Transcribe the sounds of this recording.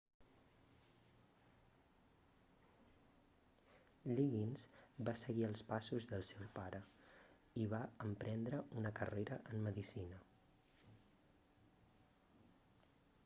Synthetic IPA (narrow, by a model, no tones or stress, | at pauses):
ʎiɣinzbasəɣiəlˠspasuzðəlˠsɛwpaɾə | iβaəmpɾɛnd̪ɾəunəkə̰reɾəʔəmːəðisinə